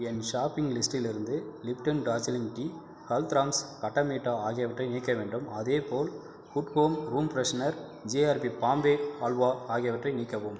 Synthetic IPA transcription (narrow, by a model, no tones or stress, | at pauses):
ɛnʃaːpɪŋɡlɪsʈɪlɪɾɯnd̪ɯlɪpʈɐnɖaːsɪlɪŋɡʈiː | hɐlt̪ɾaːmskɐʈːɐmiːʈːaːaːɣɪjɐʋɐʈrɐɪniːkːɐʋeːɳɖɯmɐðeːpoːl | kʊʈhoːmɾuːmpɾɐsnɐɾ | d͡ʒeːaːɾbipaːmbeːaːlʋaːaːɣɪjɐʋɐʈrɐɪniːkːɐʋɯm